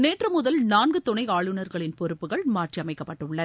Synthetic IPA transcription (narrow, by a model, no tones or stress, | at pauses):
neːʈrɯmʊðɐlnaːnɡɯt̪ɔɳɐɪaːɭɯnɐɾɣɐɭɪnpɔɾɯpːɯɣɐɭmaːʈriɐmɐɪkːɐpːɐʈːɯɭːɐɾ